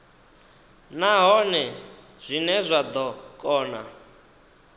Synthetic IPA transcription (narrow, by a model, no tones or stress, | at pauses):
naɦɔnɛ | z̥ʷinɛzʷad̪ɔkʼɔːna̰